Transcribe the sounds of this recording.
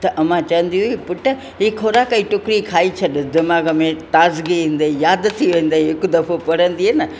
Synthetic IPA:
t̪ɐʔɐmãt͡ɕɐʋə̃nd̪iɦukipʊʈə | ɦiːkʰoːɾaːkaiʈʊkɾikʰaːit͡ɕʰɐɗd̪ɪmaːɡəmẽt̪aːzɡiĩːn̆d̪aijaːd̪t̪ʰiʋẽːn̆d̪aiɦɪkʊd̪ɐfopɐɽ̤ə̃nd̪iɦenɐ

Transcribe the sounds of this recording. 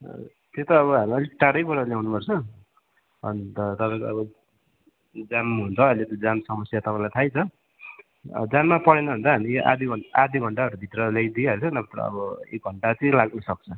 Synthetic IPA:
t̪ot̪ʌːβʌɦamiʌleʈaɽʌjpʌɾʌljawnupʌrt͡sʰʌ | ʌ̰nt̪ʌt̪ʌpãkʌbʌ | d͡zamɦunt͡sʰʌʌjlet̪jod͡zamsʌmʌsjat̪ʌpãĩlajt̪ʰajt͡sʰʌ | d͡zamːapʌɽenʌɦũnd̪aɦamiʔa̰d̪iɡʱʌad̪ʱiɡʱʌɳʈaɦʌɾubʱit̪rʌlajd̪iʌɾt͡sʰʌnʌpʌt̪ɾʌ̰ʌ̰bʌḛk̚ɡʱʌɳʈat͡sʌĩlaɡnusʌk̚t͡sʰʌ

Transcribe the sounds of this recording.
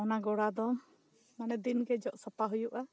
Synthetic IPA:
ɔnaɡɔɽad̪ɔ | manɛd̪inɡɛd͡ʒɔʔsəpaɦujuʔa

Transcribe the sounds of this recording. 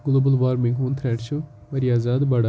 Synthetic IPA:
ɡʊloːbəlʋaːɾmĩŋɡɦoːnt̪ʰɾɛːʈt͡ʃʰu | mɐɾiaːzaːd̪bɐɽa

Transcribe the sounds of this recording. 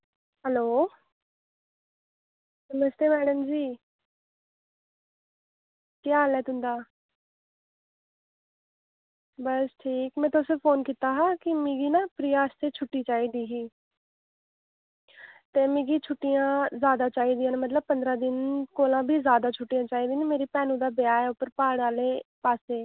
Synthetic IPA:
ɦɛloː | səməst̪eːmɛːɽəmd͡ʒiː | k̪jaːlɛːt̪ʊ̃nd̪aː | bəsʈʰiːkmɛ̃ːt̪osepʰoːnkiːt̪aːɦãːkɪmiɡiːnaːpɾɪjaːst̪eːt͡ʃʰʊʈːiːt͡ʃaːiːd̪iːɦiː | t̪eːmĩːɡiːt͡ʃʰʊʈːijãːzjaːd̪aːt͡ʃaːiːd̪ijãːnmət̪̬ləb̚pənd̪ɾãːd̪ɪnkoːlãːbʱiːzjaːd̪aːt͡ʃʰʊʈːijãːt͡ʃaːiːd̪iːnimeːɾiːpɛːnũːd̪aːbɪjaːɛːʊpːəɾpaːɽaːleːpaːseː

